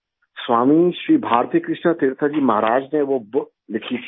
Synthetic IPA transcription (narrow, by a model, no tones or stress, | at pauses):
sʋaːmiʃɾiːbʱaːɾt̪ijəkɾɪʃnət̪eːɾt̪ʰad͡ʒiːmɐɦɾaːd͡ʒneʋob | lɪkʰit̪ʰ